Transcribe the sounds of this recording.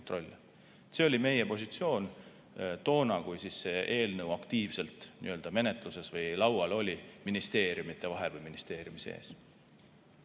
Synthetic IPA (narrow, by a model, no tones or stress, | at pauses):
ont̪ro̞lʲːe | se̞o̞lime̞je̞po̞sit̪sio̞ːn | t̪o̞ːnɑkujsisːe̞ʔe̞ːlnɤwɑkt̪iːvse̞lt̪ˑnḭø̞ld̪̥ɑme̞net̪ˑluse̞svɤjlɑwɑlo̞lʲiminist̪e̞ːɾjumit̪ˑːe̞vɑɦelvɤjminist̪e̞ːɾjumisḛːs